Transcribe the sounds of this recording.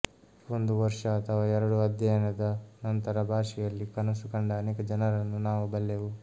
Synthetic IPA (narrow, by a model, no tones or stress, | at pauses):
o̞nd̪uʋɐɾʂɐːt̪ʰɐʋaːɛɾɐɽuɐd̪jɐjɐnɐd̪ɐnɐnt̪ɐɾɐbʱaːʂɛjɐlːikɐnɐsukɐɳɖɐːneːkɐd͡ʒɐnɐɾɐnːunaːʋubɐlːeʋu